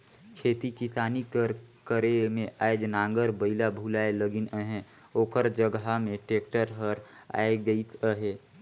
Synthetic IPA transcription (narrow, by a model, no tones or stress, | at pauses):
kʰeːt̪ikisaːnikəɾkəɾemẽʔaed͡ʒnãːŋɡəɾbəɪlabʱuːlaːeləɡɪnəɦɛ̃ | oːkəɾd͡ʒəɡɦamẽʈeːkʈəɾɦəɾ | a̰ːeɡəit̪əɦeː